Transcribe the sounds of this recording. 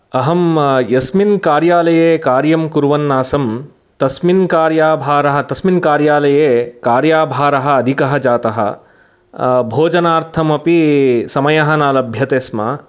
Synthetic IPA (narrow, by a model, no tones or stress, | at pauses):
ɐɦɐmjɐsminkaːɾjaːlɐjeːkaːɾjɐmkuɾʋɐnːaːsɐm | t̪ɐsminkaːɾjaːbʱaːɾɐɦɐt̪ɐsminkaːɾjaːlɐjeːkaːɾjaːbʱaːɾɐɦɐ̆ːd̪ʱikɐɦɐd͡ʒaːt̪ɐɦɐ̰ | bʱoːd͡ʒɐnaːɾt̪ʰɐmɐpisɐmɐjɐɦɐnaːlɐbʱjɐt̪eːsma̰